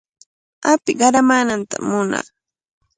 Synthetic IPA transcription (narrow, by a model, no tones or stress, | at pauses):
apɪɢɑɾamaːnant̪a̰mːʊna̰